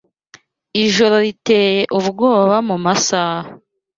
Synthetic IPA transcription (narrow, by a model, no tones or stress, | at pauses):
iʒoɾoɾiteːjeʔuβɡo̞ːβaβamumasaːha